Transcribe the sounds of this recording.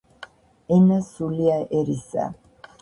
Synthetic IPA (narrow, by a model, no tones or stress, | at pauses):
ɛnasuliaʔɛɾisa̰